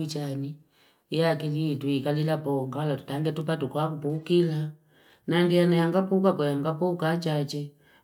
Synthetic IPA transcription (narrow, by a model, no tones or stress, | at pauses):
it͡ʃani | jakilituikalilapɔŋɡalatu̥taŋɡɛtupatukwakupukila | naŋɡijanajaŋɡapukakɔjaŋɡapukat͡ʃat͡ʃɛ